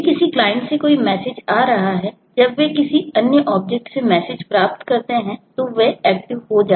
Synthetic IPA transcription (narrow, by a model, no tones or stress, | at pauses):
kɪsiklaːɪ̃ɳʈsekoːimɛːsed͡ʒaːɾɐɦaɦɛː | d͡ʒɐbʋekɪsiɐnjəʔɔːb̚d͡ʒɛk̚ʈsemɛːsɪd͡ʒpɾaːp̚t̪kɐɾt̪eɦɛ̃t̪oʋeɛːk̚ʈɪʋɦod͡ʒaː